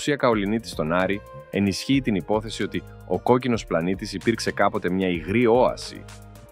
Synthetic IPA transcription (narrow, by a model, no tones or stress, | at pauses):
siɐkɐo̞linit̪i̥st̪o̞nɐɾi | e̞nisçiːt̪inipo̞θe̞sio̞t̪i | o̞ko̞cino̞splɐnit̪isipiɾkse̞kɐpo̞t̪e̞mɲɐiɣɾio̞ɐ̰sḭ